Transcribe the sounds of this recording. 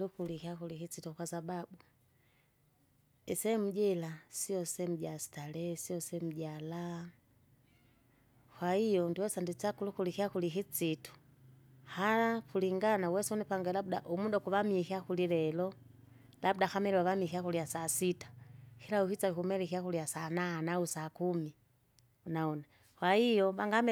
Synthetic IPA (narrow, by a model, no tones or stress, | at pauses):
lukulikiakulikit͡situkwasababu | ɛsɛm̩ɟɛlasiɔsɛm̩ɟasi̥talɛsiɔsɛm̩ɟala | kwaijɔndiwɛsandit͡sakulukulikiakulikit͡situ̥ | halapuliŋɡanawɛsunipaŋɡɛlabuda̰ʔumudɔkuβamikiakulilɛlɔ | labdaxamɛlɛwaβamixiakuliasasitḁhilauhit͡saikumɛlikiakuliasananausakumi | unaɔna | hwaijɔβaŋɡamɛ